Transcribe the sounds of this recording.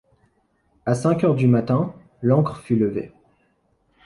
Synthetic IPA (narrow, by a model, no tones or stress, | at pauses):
asɛ̃kʲœʁd̪ymat̪ɛ̃ | lɑ̃kχfyləvḛ